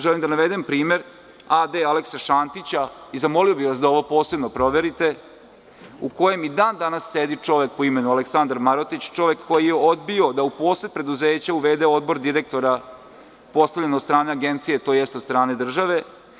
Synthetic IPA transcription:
ʒelimd̪anaʋed̪empɾiːme̞ɾ | ad̪ealeksaʃant̪it͡ɕaizamo̞lio̞biʋasd̪ao̞ʋo̞poːse̞bnopɾo̞ʋeɾit̪e̞ | uko̞jemid̪aːnd̪anasːed̪it͡ʂo̞ʋek̚poime̞nualeksand̪aɾmaɾot̪it͡ɕt͡ʃo̞ʋe̞kkːo̞jijeod̪bio̞d̪aupo̞ːsepɾe̞d̪uzeːt͡ɕauʋed̪eod̪bo̞ɾd̪iɾek̚t̪o̞ɾa | po̞st̪aʋlʎenot̪st̪ɾaːneaɡent̪sijet̪o̞ːjɛst̪od̪st̪ɾaːne̞d̪r̩ʒaʋe̞

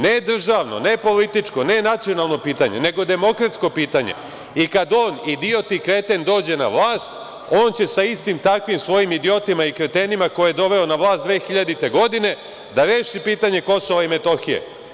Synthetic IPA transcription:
ned̪r̩ʒaːʋno̞̰ne̞po̞lit̪it͡ʂko̞ne̞nat̪sijo̞nalˠno̞piːt̪aɲe̞̰ne̞ɡo̞d̪e̞mo̞kɾat̪sko̞piːt̪aɲḛ | ikad̪o̞ːnid̪io̞t̪ikɾe̞t̪end̪o̞ːd͡ʑe̞na̰ʋlˠaːst̪ | o̞ːnt͡ɕe̞saist̪imt̪akʋimsʋo̞jimid̪ijo̞t̪imaikɾet̪e̞nimako̞jejed̪o̞ʋe̞onaʋlˠaːst̪d̪ʋe̞ːxiʎad̪it̪e̞ɡo̞d̪ine̞ | d̪aɾeːʃipiːt̪aɲe̞ko̞so̞ʋaime̞t̪o̞xijḛ

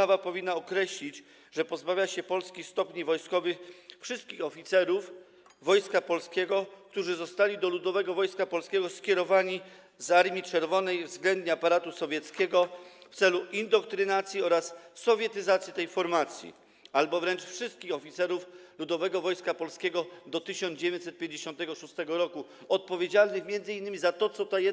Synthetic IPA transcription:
avapɔvʲinːaɔkɾɛɕlʲit͡ɕ | ʐɛpɔzbavʲjaɕɛpɔlskʲist̪ɔpɲivɔjskɔvɘxfʂɘst̪̚kʲixɔfʲit̪sɛɾuf | vɔjskapɔlskʲɛɡɔkt̪uʐɘzɔst̪alʲid̪ɔlud̪ɔvɛɡɔvɔjskapɔlskʲɛɡɔskʲɛɾɔvaɲi | zaɾmʲit͡ʂɛɾvɔnɛjvzɡlɛnd̪ɲɛapaɾat̪usɔvʲjɛt̪skʲɛɡɔft̪sɛluʔind̪ɔk̚t̪ɾɘnat̪sʲjiɔɾasːɔvʲjɛt̪ɘzat̪sʲjit̪ɛjfɔɾmat̪sʲjḭ | albɔvɾɛnt͡ʂfʂɘst̪̚kʲixɔfʲit̪sɛɾuflud̪ɔvɛɡɔvɔjskapɔlskʲeɡɔd̪ɔt̪ɘɕɔnd͡ʑevʲjɛɲʲsɛt̪̚pʲjeɲd͡ʑeɕɔnt̪ɛɡɔʂust̪ɛɡɔɾɔku | ɔt̪̚pɔvʲjed͡ʑalnɘxmʲjɛnd̪zɨɘinːɘmʲizat̪ɔt̪sɔt̪ajɛ

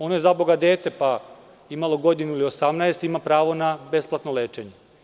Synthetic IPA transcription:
o̞noje̞zaboɡad̪e̞ːt̪e̞pa | imalˠo̞ɡo̞d̪inuilio̞samnaest̪imapɾaːʋo̞nabe̞splˠat̪nole̞ːt͡ʃe̞ɲe

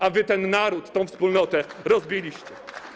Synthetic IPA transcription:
avɘt̪ɛnːaɾut̪ːɔ̃w̃fspulnɔt̪ɛɾɔzbʲilʲiɕt͡ɕɛ

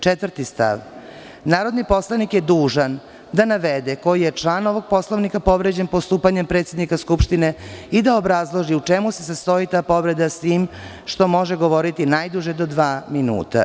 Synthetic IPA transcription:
t͡ʃet̪vər̩t̪ist̪a̰ʋ | naːɾo̞d̪nipo̞slˠanikjed̪uːʒan | d̪anaʋed̪eko̞jjet͡ʃlˠaːno̞ʋo̞ɡ̚po̞slˠoʋnikapo̞ʋɾed͡ʑe̞npost̪uːpaɲe̞mpɾet̪sje̞d̪nikaskupʃt̪ineid̪aobɾazlˠo̞ʒiut͡ʂemusesast̪o̞it̪aːpo̞ʋɾe̞d̪asʋiːm | ʃt̪o̞mo̞ʒeɡo̞ʋo̞ɾit̪inajd̪uʒed̪o̞d̪ʋaːminṵːt̪a̰

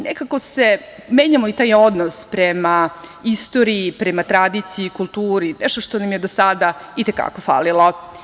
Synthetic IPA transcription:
nḛkako̞se | me̞ːɲamoit̪aːjo̞d̪nospɾemaist̪o̞ɾiːpɾemat̪ɾad̪it̪siikulˠt̪uːɾinɛʃt̪o̞ʃt̪o̞namjed̪osad̪ait̪eka̰ko̞fa̰lilˠo

